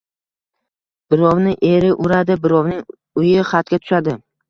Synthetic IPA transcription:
b̥ɪɾɒwnɪʔeɾɪʔʊɾad̪ɪbɪɾɒwnɪŋ | ʊjɪχat̪̚kʲat̪ʰʊ̥ʃad̪ɪ

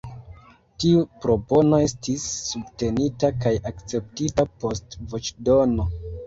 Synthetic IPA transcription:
tiupɾo̞po̞no̞e̞stisːubte̞nitakajakt͡se̞p̚titapo̞stvot͡ʃdo̞no̞

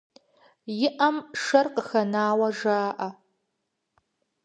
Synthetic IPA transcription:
jɪʔɐmʂɐrqəxɐnaːwɐʐaːʔɐ

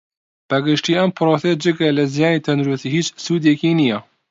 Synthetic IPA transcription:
b̥ɛɡɨʃtiːɛmpʰɨɾoːsed͡ʒɨɡɛlɨzijɑːneːt̪ʰɛnd̪ɾust̪iːhiːt͡ʃsuːd̪jɛkiːnijɛ

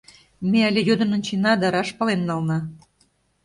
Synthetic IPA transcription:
meəlʲejod̪ɤ̆nə̆nt͡ɕinɑd̪ɑɾɑʃpɑlemnɑlnɑ

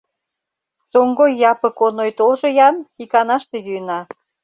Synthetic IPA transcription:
soŋɡojːɑpə̆konojt̪olʒojɑnxikɑnɑʃt̪ejyjnɑ

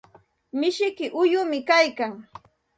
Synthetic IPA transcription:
mɪʃɪkɪʔʊjʊmɪkajkaŋ

